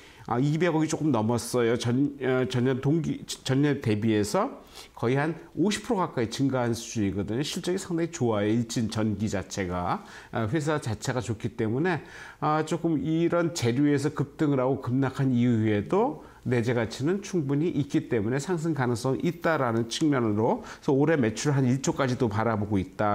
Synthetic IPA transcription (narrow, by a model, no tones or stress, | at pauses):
ʌ̰ibe̞ɡʌɡit͡ɕ͈ok͈ɯmnʌmʌs͈ʌjoʌt͡ɕʌɲʌntoŋɡit͡ɕʌɲːʌnte̞bie̞sʰʌkʌihanoɕʰi̥pʰɯɾoɣak͈ait͡ɕɯŋɡaɦansʰud͡ʑuɲiɡʌdɯɲoɕʰiɭt͡ɕ͈ʌɡisʰaŋdaŋit͡ɕoajeiɭt͡ɕint͡ɕʌnɡid͡ʑat͡ɕʰe̞ɡa̰ | ɸwes̬ʰat͡ɕat͡ɕʰe̞ɡat͡ɕok͈it͈e̞mune̞ | ʌt͡ɕ͈ok͈ɯmiɾʌnt͡ɕe̞ɾjue̞s̬ʰʌkɯp̚t͈ɯŋɾaɡokɯmnakʰaniue̞do | ne̞d͡ʑe̞ɡat͡ɕʰinɯnt͡ɕʰuŋbuɲiʔit̚k͈it͈e̞mune̞sʰaŋs̬ʰɯŋkanɯŋs͈ʌŋʔit̚t͈aɾanɯnt͡ɕʰɯŋmjʌnɯɾosʰʌoɾe̞me̞t͡ɕʰuɾɭɦaniɭt͡ɕ͈ok͈ad͡ʑidopaɾaboɡoit̚t͈a